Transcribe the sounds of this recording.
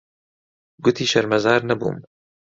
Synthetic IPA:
ɡʊt̪ʰiːʃɐɾmɐzɑːɾnɐbṵːm

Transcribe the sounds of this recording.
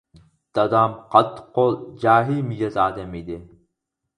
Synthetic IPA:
d̪̥ɑd̪ɑmqʰɑt̪ːqːolˠd͡ʒaːɦilmid͡ʒɑzɑːd̪ɛmid̪ɪ

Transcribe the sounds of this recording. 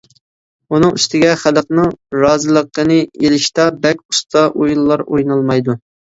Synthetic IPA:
unɨŋyst̪ɪɡʲɛχæləqnɨŋɾɑːzɨlˠəqːənɨelɪʃt̪ɑbɛkʲu̥st̪ʰɑʔojlːˠɑɾojnɑlˠmɑjd̪u

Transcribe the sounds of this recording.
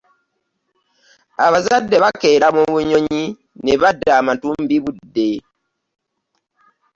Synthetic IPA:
aβazadːe̞βake̞ːɾamuβuɲo̞ɲi | neβadːaːmatuːmbiβudːe

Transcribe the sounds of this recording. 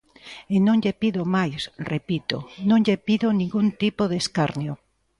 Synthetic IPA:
enõŋʎepiðomajsrepit̪o̰nõŋʎepiðonĩŋɡunt̪ipoðeskaɾnjo

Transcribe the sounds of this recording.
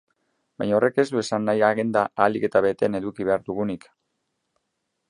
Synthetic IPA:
bajɲao̞re̞ke̞zd̪ue̞sanːajaɣend̪aalike̞t̪aβe̞t̪e̞ne̞ðukiβe̞aɾðuɣ̞unik

